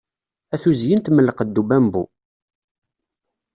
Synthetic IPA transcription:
æθuzjənt̪məlːəqəd̪ːubæmbu

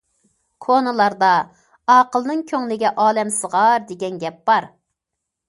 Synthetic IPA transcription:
kʰonɨlˠɑɾd̪ɑ | ɑːqəlˠnɨŋkʲʰøŋlɪɡʲɛʔɑːlɛmsəʁɑɾd̪eɡʲɛnɡʲɛp̚b̥ɑɾ

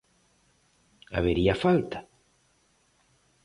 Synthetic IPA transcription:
a̰βeɾiafalt̪ḁ

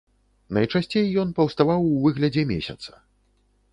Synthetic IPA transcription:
nɐjt͡ʂasʲt͡sʲejːɔnpɐwst̪avawvɨɣlʲɐd͡zʲɛmʲḛsʲɐ̰t̪sɐ̥

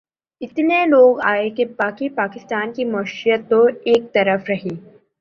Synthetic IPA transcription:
ɪt̪neloːɡaːekebaːkipaːkɪst̪aːnkimɐʃijət̪ːoeːk̚t̪ɐɾəfɾɐɦiː

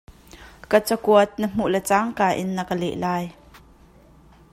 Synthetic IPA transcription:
kət͡səkuət̪̚nəm̥uʔlɛt͡saːŋkaːʔɪnːəkəlɛ̰ʔlaːj

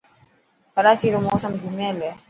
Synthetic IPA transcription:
kɐɾaːt͡ʃiːɾomoːsɐmɡ̪ʱumeːle

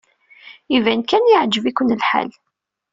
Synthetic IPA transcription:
ivænkænjəʕd͡ʒəvikʷənlħa̰l

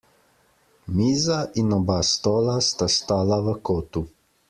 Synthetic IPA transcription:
miːzaʔinɔbast̪ɔːlast̪ast̪aːlaʋəkoːt̪u

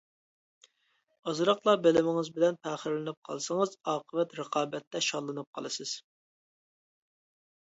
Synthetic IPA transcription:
ɑzɾɑqlˠɑbelɪmɪŋɪzbɪlɛnpʰɛχəɾlɪnɨp̚qʰɑ̰lˠsəŋəzɑːqʰəvɛt̪ɾəqʰɑːbɛt̪ʰːɛʃɑlˠːɨnɨp̚qʰɑ̰lˠɨsɨz̥

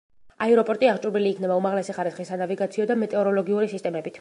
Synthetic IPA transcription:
aɛɾɔpʼɔɾt̪ʼiaʁt͡ʃʼuɾbiliːkʰnɛbaumaʁlɛsiχaɾisχisːanaviɡat̪sʰiɔd̪amɛt̪ʼɛɔɾɔlɔɡiuɾisist̪ʼɛmɛbit̪ʰ

